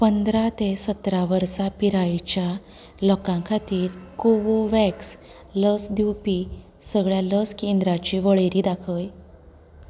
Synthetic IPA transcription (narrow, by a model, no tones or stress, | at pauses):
pənd̪ɾat̪esət̪ɾaʋəɾsapiɾait͡ɕja | lɔkãkʰat̪iːɾkoʋoʋɛks | ləsd̪iwpi | səɡɭjaləskiːnd̪ɾat͡ɕiːʋəɭeɾiːd̪akʰəj